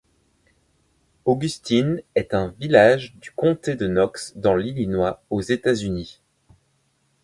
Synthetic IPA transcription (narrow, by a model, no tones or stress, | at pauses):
oɡʲyst̪inɛt̪ɛ̃vilaʒd̪ykɔ̃t̪ed̪ənɔksd̪ɑ̃lilinwaozet̪azyni